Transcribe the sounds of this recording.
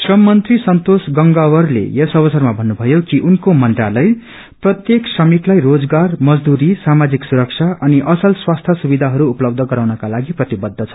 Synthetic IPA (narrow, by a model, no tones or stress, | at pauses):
srʌmːʌnt̪risʌnt̪osɡʌŋɡawʌrlḛjesʌβʌsʌrmabʱʌnːubʱʌjokiʔunkomʌnd̪ralʌj | prʌt̪jeksrʌmik̪lajrod͡zɡarmʌd͡zd̪uɾisamad͡ziksuɾʌkt͡sʰaʔʌniʔʌsʌlswast̪ʰʌsubid̪ʱaɦʌɾuːplʌb̚d̪ʱʌɡʌɾawnʌkalaɡiprʌt̪ibʌd̪ʱːʌt͡sʰʌ̥